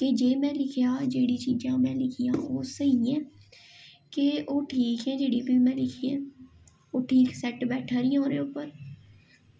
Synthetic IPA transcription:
k̪eːd͡ʒeːmɛ̃ːlɪkʰjaːd͡ʒeːɽiːt͡ʃiːd͡ʒãːmɛ̃ːlɪkʰɪjãːoːsəɦiɛ̃ː | keʔoːʈʰiːkɛ̃ːd͡ʒeːɽiːbimɛ̃ːlɪkʰiɛ̃ː | oːʈʰiːksɛʈbɛːʈʰaːɾɪːãɦõːɾeːʊpːəɾ

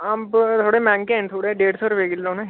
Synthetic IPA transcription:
abt̪ʰoːɽemɛ̃ːŋkent̪ʰoːɽeɖeːɽsoːɾʋeɡɪlːõnɛ̃

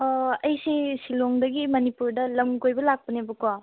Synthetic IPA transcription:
ɐjsesiloŋdɐɡimɐnipuɾdɐlɐmkojbɐlak̚pɐnebɐkwa

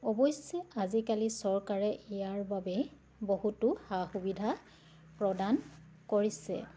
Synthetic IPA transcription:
ɔbɔjsɛazikalisɔɹkaɹɛʔejaɹbabɛ | bohutʊxaxubidʱa | pɹɔdan | koɹisɛ̰

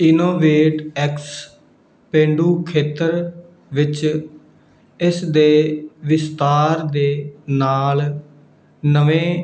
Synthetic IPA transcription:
ɪnoːʋeːʈɛks | pẽːɳɖuːkʰeːt̪əɾ | ʋɪt͡ʃ | ɪsd̪eːʋɪst̪aːɾd̪eːnaːl | nəʋẽː

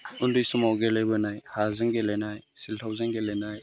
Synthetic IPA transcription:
undujsumawɡelejbɯnajhazɯŋɡelejnajsiltʰawzɯŋɡelejnaj

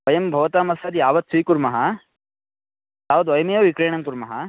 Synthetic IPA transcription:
ʋɐjɐmbʱɐʋɐt̪aːmɐsɐd̪jaːʋɐd̪̚siːkuɾmɐɦɐ | jaːʋɐd̪ʋɐjɐmjɐʋʋikɾeːɳɐmkuɾmɐɦɐ

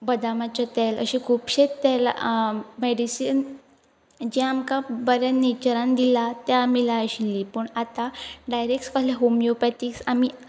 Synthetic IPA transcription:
bəd̪amat͡ɕat̪ɛlə̰ɕekʰuːpɕet̪ɛl | meɽisin | d͡ʑɛamkabəɾanet͡ɕəɾãnd̪ilat̪jamilaɕilːipəɳat̪aɖajɾek̚ʈskəleɦomjopɛʈiksami

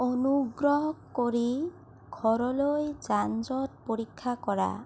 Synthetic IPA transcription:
onuɡɾɔɦɔkoɾi | ɡʱɔɾɔlojd͡ʒand͡ʒɔt̪̚poɾikʰːakɔɾa̰

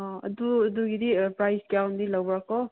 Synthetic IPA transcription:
ãɐ̰d̪uɐd̪uɡid̪ipɾajsɡawnd̪ilawbɾakɔ

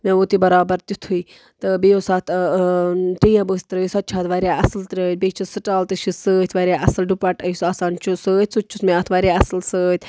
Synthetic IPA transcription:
mẽot̪ibɐɾaːbɐɾt̪ut̪ʰuj | t̪ɨbejosaːt̪ | ʈijɐ̃bəːsʲt̪ɾɐjisaːt̪̚t͡ʃʰaːt̪ʋaːɾʲjaːʔɐslt̪ɾəːt̪̚ʲbet͡ʃʰisɨʈaːlt̪ɨʃisəːt̪ʰʲʋaːɾaʔɐsɐlɖupaːʈɐjsɐsaːnt͡ʃʰusəːt̪ʲsut͡ʃʰusmeɐt̪ʰʋaːɾʲaɐslsəːt̪ʲʰ

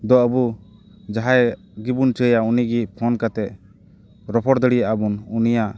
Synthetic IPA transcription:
d̪ɔəbu | d͡ʒaɦaj | ɡibunt͡ʃəjauniɡipʰɔnkat̪ɛʔ̚ | ɾɔpʰɔɽd̪əɽijaʔabununija

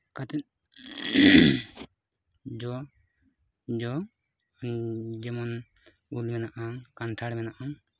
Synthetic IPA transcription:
kat̪ɛ | d͡ʒɔ | d͡ʒɔ | d͡ʒɛmɔn | ulmɛnaʔakanʈʰaɽɛmɛnaʔa

